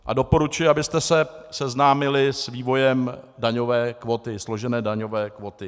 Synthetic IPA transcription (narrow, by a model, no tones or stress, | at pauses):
ʔado̞po̞ɾut͡ʃujɛabɪst̪ɛsɛsɛznaːmɪlɪsviːvo̞jɛmdaɲo̞vɛːkvot̪ɪslo̞ʒɛnɛːdaɲo̞vɛːkvot̪ɪ